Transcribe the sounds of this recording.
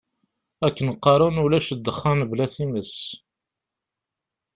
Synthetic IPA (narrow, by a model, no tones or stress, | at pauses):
ækːənqːɑɾˤunulæʃəd̪ːəχːanblæθiməs